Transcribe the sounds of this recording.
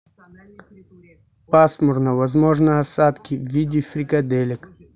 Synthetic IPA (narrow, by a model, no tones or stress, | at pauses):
pasmʊrnɐvɐzmoʐnəɐsat̪kʲivːʲidʲɪfɾʲikɐd̪elʲɪk